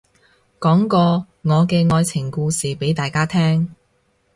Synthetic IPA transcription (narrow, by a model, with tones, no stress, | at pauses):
kɔː˨˥ŋkɔː˧ | ŋɔː˨˧kɛː˧ŋɔː˧jt͡sʰɪ˨˩ŋkuː˧siː˨pe˨˥jt̪aː˨jkaː˥t̪ʰɛː˥ŋ